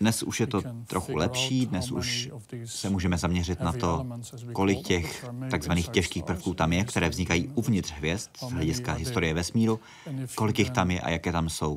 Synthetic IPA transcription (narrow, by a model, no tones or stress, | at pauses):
dnɛsuʃjɛt̪o̞t̪ɾʔoxulɛpʃiːdnɛsʔṵʃ | sɛmuːʒɛmɛzamɲɛr̝ɪt̪nat̪o̞ | ko̞lɪkcɛxt̪aɡzvaniːxcɛʃkiːxpr̩fkuːt̪amjɛkt̪ɛɾɛːvzɲɪkajiːʔuvɲɪt̪r̥ɦvjɛst̪zɦlɛɟɪskaɦɪst̪o̞ɾɪjɛvɛsmiːɾu | ko̞lɪkjɪxt̪amjɛ̰ʔa̰jakɛːt̪amso̞w